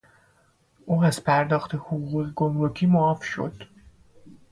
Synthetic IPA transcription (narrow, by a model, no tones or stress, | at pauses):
ʔuːæzpʰæɾd̪ɒːxt̪ʰehoɣuɣeɡomɾocʰiːmoɒːfʃo̞̰d̪̥